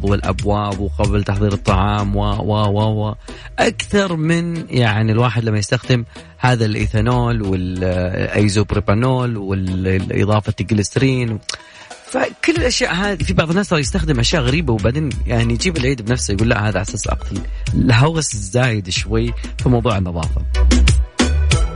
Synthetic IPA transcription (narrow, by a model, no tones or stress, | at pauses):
wɪlʔa̰bwaːbwqablt̪aħðˤiːɾɨt̪ˤːɑʕɑːmwawawawa | ʔakθɑɾˤmɪnjʔaʕnilwaːħɪd̪lamːajɪst̪axd̪ɪm | haːðalʔḭθanoːlwɪlʔa̰jzuːbɾibanoːlwɪlʔɨ̰ðˤɑːfat̪ɪɡlɪst̪ɾiːnw | fakʊlːɪlʔaʃjaːʔɦaːðifibɑʕðˤɨnaːsɑɾˤjɪst̪axd̪ɪmʔaʃjaːʔɣaɾiːbawbaʕd̪eːnjaʕnijd͡ʒiːbɪlʕiːd̪bnafsajɡuːlːa̰ʔhaːðaʔasasʔɑ̰qt̪ɑl | ɪlɦaɣszːaːjɪd̪ʃwajː | fimɑwðˤuːʕɪnːɑðˤɑ̰ːfa